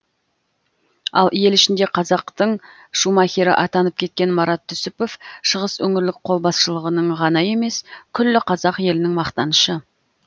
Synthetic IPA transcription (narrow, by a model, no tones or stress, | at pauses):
ɑ̰lˠje̞lɪʃɪnd̪e̞qʰɑzɑqt̪əɴ | ʃumɑkʲeɾɪ̰ʔɑt̪ɑnəp̚kʲʰe̞t̪̚kʲe̞nmɑɾɑt̪ʰːʏsʏpo̞fʃəʁəswɵŋɪɾlɪk̚qʰo̞lˠbɑsʃəlˠəʁənəɴʁɑnɑje̞me̞skʲʰʏlːɪqʰɑzɑqje̞lɪnɪŋmɑqt̪ɑnəʃə